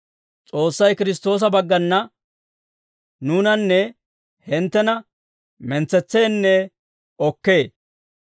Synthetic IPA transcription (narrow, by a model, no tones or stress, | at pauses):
t͡sʼo̞ːsːɐjkɪɾɪs̬t̪o̞ːs̬ɐbɐɡːɐnːɐ | nuːnɐnːɛ | hɪnt̪ːɛnɐ | mɛnt͡sːɛt͡sːeːnːɛ | ɔkːe̞ː